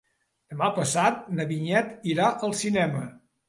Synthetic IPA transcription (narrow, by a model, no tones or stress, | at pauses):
d̪̥əmapəsat̪̚nəβiɲɛt̪iɾaʔəlˠsinɛmə